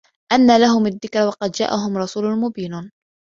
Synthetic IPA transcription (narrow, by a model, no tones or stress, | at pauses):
ʔanːalaɦʊmaðːɪkɾwɑqɑd̪d͡ʒa̰ːʔaɦʊmɾˤɑsuːlʊmʊbiːn